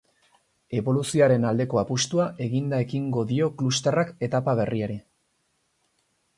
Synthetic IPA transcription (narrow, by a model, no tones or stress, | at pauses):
e̞βo̞lusioaɾe̞nald̪e̞ko̞apust̪uaʔe̞ɣind̪ae̞kiŋɡo̞ðio̞klust̪erake̞t̪apaβ̞e̞rieɾi